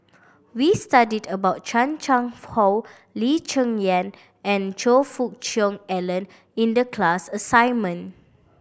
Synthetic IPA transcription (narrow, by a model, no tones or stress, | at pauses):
wistadidəbaʊt̚t͡ʃãnt͡ʃãŋhɔw | lit͡ʃə̃ŋjɛ̃n | ɛ̃nd͡ʒofuk̚t͡ʃɔ̃ŋɛlə̃n | ĩndəkʰlasəsãjnmə̃n